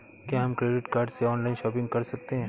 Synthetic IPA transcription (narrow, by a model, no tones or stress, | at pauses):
kjaːɦɐmkɾeːɖɪʈkaːɾɖseɔːnlaːɪ̃nʃɔːpɪ̃ŋɡkɐɾsɐk̚t̪eɦɛ̃ː